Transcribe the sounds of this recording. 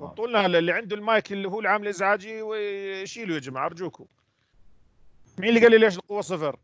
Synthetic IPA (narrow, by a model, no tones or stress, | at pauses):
t̪ˤːuːlnaalalːiʕɪnd̪ulmaːjkɪlːiɦuːlʕaːmɪlʔɪzʕaːd͡ʒiwʃiːlujɪd͡ʒmaʕɑɾˤd͡ʒuːku | miːnlːiɡalːileːʃ̬ɪlqʊwːasˤɨfɪɾ